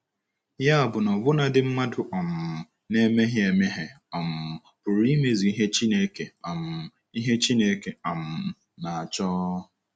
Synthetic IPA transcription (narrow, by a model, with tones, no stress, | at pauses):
ja˦a˨bʊ˨nɔ˨bʊ˦na˨dɪ˦m̩˦ma˦dʊ˨ʔɔ˨m̩˨ | ne˦me˦ɦje˨me˦ɦe˨ | ɔ˨m̩˨ | pʊ˨ɾi˦me˨zi˨i˦ɦe˦t͡ʃi˦ne˦ke˨a˨m˨ | i˦ɦe˦t͡ʃi˦ne˨˦ke˨a˨m̩˨ | na˨a˨t͡ʃɔː˦